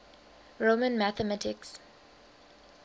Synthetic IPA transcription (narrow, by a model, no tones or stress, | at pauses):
ɹomə̃nmaθəmatʰɪks